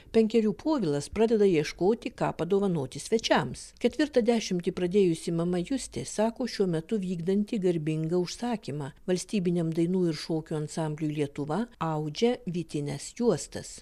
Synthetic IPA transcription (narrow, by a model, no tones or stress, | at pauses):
pʲɛŋʲkʲɛɾʲuːpʰoːʋʲɪlˠɐspɾɑːd̪ʲɛd̪ɐjiɛʃkoːt̪ʲɪkɑ̰ːpɐd̪oːʋɐnoːt̪ʲɪsʲʋʲɛt͡ʃʲɛmskʲɛt̪ʲʋʲɪɾt̪ɐd̪ʲæːʃʲɪmʲt̪ʲɪpɾɐd̪ʲeːjʊsʲɪmɐmɐjʊsʲt̪ʲeːsɑːkoːʃʲuɔmʲɛt̪ʊʋʲiːɡd̪ɐnʲt̪ʲɪɡɐɾʲbʲɪŋɡɐʊʃsɑːkʲiːmɑːʋɐlʲsʲt̪ʲiːbʲɪnʲɛmd̪ɐɪnuːɪɾʃoːkʲuːɐnsɑˑmʲbʲlʲuːlʲiɛt̪ʊʋɐɐʊd͡ʒʲɛʋʲit̪ʲɪnʲɛsjuɔst̪ɐ̰s